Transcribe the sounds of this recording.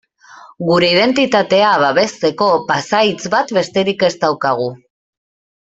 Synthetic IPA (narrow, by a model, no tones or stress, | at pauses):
ɡuɾe̞ið̞e̞nt̪it̪at̪e̞aβaβe̞st̪e̞ko̞pasajt͡sβat̪be̞st̪e̞ɾike̞st̪awkaɣ̞u